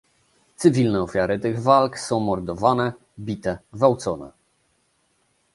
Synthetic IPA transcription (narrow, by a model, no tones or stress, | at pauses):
t̪sɘvʲilnɛɔfʲjaɾɘt̪ɘɣvalksɔ̃w̃mɔɾd̪ɔvanɛ | bʲit̪ɛvawt̪sɔnɛ̰